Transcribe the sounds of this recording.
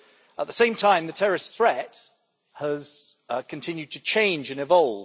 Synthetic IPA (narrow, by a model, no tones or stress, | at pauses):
ə̰ʔ̪̚ðəsẽɪ̃mtʰãɪ̃mðətʰɛɹɪsθɹɛt | həz̥kʰə̃ntʰɪ̃njʉd̚tʰət͡ʃʰẽɪ̃nd͡ʒɨ̃nɪvɒlˠv